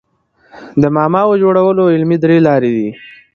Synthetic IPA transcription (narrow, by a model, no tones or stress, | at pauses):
d̪əmɑːmɑwəd͡ʒoɽawəloɪlmid̪ɾelɑɾed̪i